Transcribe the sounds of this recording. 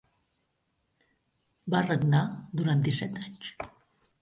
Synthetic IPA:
bareɡnad̪uɾand̪isɛt̪aɲʲt͡ʃ

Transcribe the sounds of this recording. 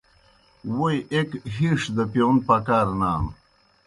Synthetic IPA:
wojʔekɦiʂd̪əpjon̚pakaːɾnaːm

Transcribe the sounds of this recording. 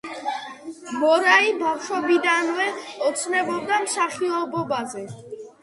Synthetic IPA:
mɔɾaibawʃɔbid̪anvɛɔt̪sʰnɛbɔbd̪amsaχiɔbɔbazɛ

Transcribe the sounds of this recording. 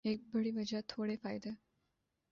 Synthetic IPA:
ek̚bəɽiʋəd͡ʑat̪ʰoɽefajd̪e

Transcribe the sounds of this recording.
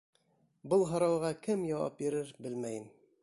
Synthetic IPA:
bɤlˠɦɑ̆ɾɑwʁɑkɘmjɒwɑ̰p̚jĭɾɘɾbɘlmæjɘn

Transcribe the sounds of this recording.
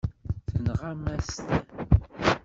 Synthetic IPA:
θənʁamæst̪

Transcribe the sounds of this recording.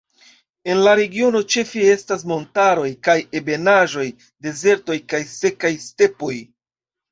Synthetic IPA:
e̞nlaɾe̞ɡio̞no̞t͡ʃe̞fie̞stas̬mo̞ntaɾo̞jkajebe̞naʒo̞j | de̞ze̞ɾto̞jkajse̞kajste̞po̞j

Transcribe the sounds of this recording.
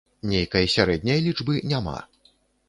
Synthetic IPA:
nʲejkɐjɐsʲaɾɛd̪ʲnʲɐjlʲid͡ʐbɨnʲama̰

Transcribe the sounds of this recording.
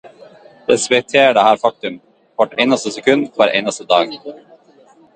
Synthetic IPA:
d̪̥ɛsvɛt̪ʰeːɖəhæːɾfɑk̚t̪ʉm | vɔʈeːnast̪əsɛkʰʉnd̪fʰɑɾʔḛːnast̪əd̪ɑːɡ

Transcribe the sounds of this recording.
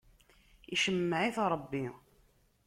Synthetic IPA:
iʃəmːəʕiθɾˤbːi

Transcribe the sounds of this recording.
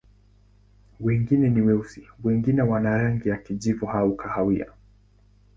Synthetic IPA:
wɛŋɡinɛniwɛusiwɛŋɡinɛwanaɾaŋɡijakiʄivɔhaukʰahawia̰

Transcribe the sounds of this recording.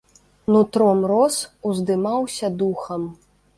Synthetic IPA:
nut̪ɾɔmɾɔsuzd̪ɨmawsʲɐd̪uxɐm

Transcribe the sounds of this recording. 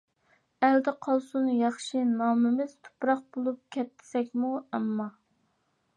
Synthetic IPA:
æld̪ɪqʰɑlˠsunjɑχʃinɑːmɪmɪz̥t̪ʰo̥pɾɑq̚bolˠup̚kʲʰɛt̪ʰːɪ̥sɛkʲmuɛmːɑ

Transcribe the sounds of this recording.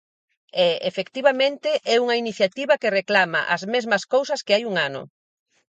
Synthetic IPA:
ɛefekt̪iβamẽnt̪ɪʔɛuŋɐiniθjat̪iβɐkereklama̰ʔɐzmezmɐskowsɐskeajuŋanʊ̰

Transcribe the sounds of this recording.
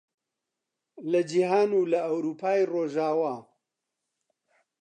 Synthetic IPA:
lɐd͡ʒihaːnuːlɐɐwɾuːpʰaːjroːʒaːwaː

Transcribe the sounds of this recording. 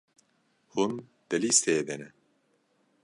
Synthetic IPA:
hun | d̪̥ɛliːst̪eːd̪ɛnɛ

